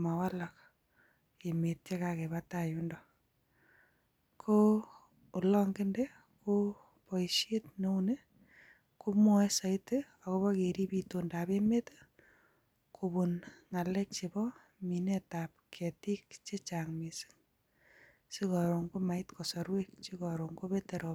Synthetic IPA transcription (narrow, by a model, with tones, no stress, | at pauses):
ma˨wa˦la˨k | e˨me˨te˦ka˨ke˨βataju˦ndɔ˨ | kʰo˦ | u˨lɔ˦ŋɡɪ˦nde˦ | ko˦ | pɔ˨iʃe˦tne˦u˦ne˦ | ku˦mɔ˦sa˨ite | ɔ˨ko˦βɔ˦ke˨ɾi˦pito˨ndape˦met | kʰo˨bu˨nŋa˨lɛ˦k̚t͡ʃe˨bɔ˦ | mi˨ne˦tap̚kʰe˨ti˦k̚t͡ʃe˦t͡ʃaŋmi˨si̥˦ŋ | si˦kɔ˨ɾo˨ŋɡo˦ma˨itko˨sɔ˨ɾwek̚t͡ʃikɔ˨ɾo˨ŋɡo˦pete˨ɾo